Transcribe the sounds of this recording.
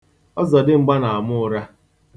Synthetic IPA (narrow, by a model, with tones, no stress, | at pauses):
ɔ˦zɔ˨dɪ˦ŋ͡m̩˨ɡ͡ba˦na˨a˨mʊ˦˨ɾa˦